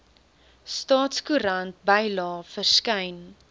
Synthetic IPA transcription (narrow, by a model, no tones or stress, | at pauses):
stɑːtskuɾɐnt̚bəjlɑːfərskɛjn